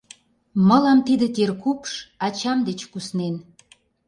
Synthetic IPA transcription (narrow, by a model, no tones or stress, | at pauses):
mə̆lɑmt̪id̪et̪ʲerkupʃɑt͡ɕɑmd̪et͡ɕkusnen